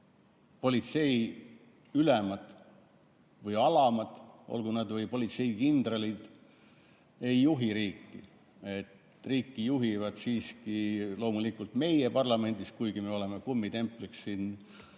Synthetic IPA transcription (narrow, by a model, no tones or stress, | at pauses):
po̞lʲit̪se̞j | ylɛmɑd̪̥ | vɯjɑlɑmɑd̪̥ʔo̰lɡ̥unɑd̪vɤjpo̞lʲit̪se̞jkind̪rɑlid̪̥ | e̞jːuɦiɾiːkːi | e̞t̪ | riːkːijuɦivɑd̪̥siːskilo̞ːmulikːult̪me̞jepɑrlɑme̞nʲd̪̥iskujɡ̥ime̞o̞le̞mekumːit̪e̞mplikssiːn